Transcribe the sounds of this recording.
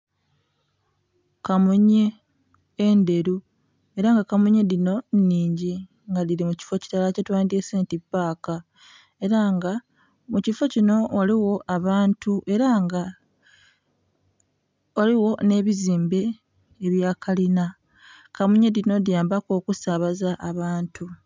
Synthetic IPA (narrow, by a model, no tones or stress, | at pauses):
kamuɲe̞ː | nde̞ɾu | e̞ɾaŋɡakamuɲe̞dino̞nːiːɲɟi | ŋɡaliɾimuci̥fo̞ci̥talacetwaːndese̞ːntipːaːka | e̞ɾaŋɡa | mucifo̞cino̞waliwo̞ʔaβaːntuʔe̞ɾaŋɡa | waliwo̞ne̞βiziːmbe̞ː | βjaːkʰalina | kamuɲe̞dino̞djaːmbako̞ːkusaβazaʔːβaːntʰu